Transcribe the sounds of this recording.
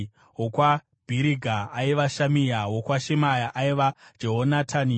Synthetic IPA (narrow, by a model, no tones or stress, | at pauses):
ɦokwa | b̥ʱiɾiɡʱaːiʋaʃamijawokwaʃemajaʔaiʋḁd͡ʒeɦonatʰani